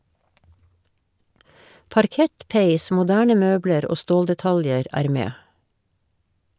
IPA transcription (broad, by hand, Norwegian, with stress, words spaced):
pɑɾˈkɛt ˈpæɪs mʊˈdæːɳə ˈmøːbləɾ ˈoː ˈstoːldɛˌtɑljəɾ ˈæːɾ ˈmeː